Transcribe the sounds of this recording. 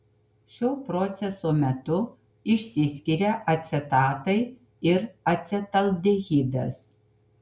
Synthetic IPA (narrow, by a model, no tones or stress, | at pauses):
ʃʲoːpɾɔt̪sʲɛsoːmʲɛt̪ʊ | ɪʃʲsʲɪsʲkʲiɾʲɛʔɐt̪ʲsʲɛt̪ɑːt̪ɐɪ | ɪɾɐt̪ʲsʲɛt̪ɐl̚ˠʲd̪ʲeɣʲib̪ʲɛ̰s